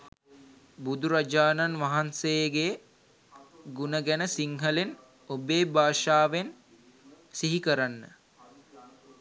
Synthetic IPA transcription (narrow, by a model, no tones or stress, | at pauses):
bud̪uɾad͡ʒaːnanʋaɦansejɡe | ɡunəɡænəsiŋɦəlen | obeːbaːʂaːʋen | siɦikəɾanːə